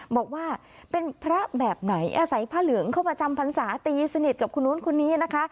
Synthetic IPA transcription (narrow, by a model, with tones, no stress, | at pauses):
bɔː˨˩k̚waː˥˩ | pe˧npʰɾa˦˥bɛː˨˩p̚na˩˦jʔaː˧sa˩˦jpʰaː˦˥˩lɯ˩˦əŋkʰa˥˩wpɾa˧t͡ɕa˧mpʰa˧nsaː˩˦t̪iː˧sa˧ni˨˩t̪̚ka˨˩p̚kʰu˧nːuː˦˥nkʰo˧nːiː˦˥na˦˥kʰa˦˥ʔ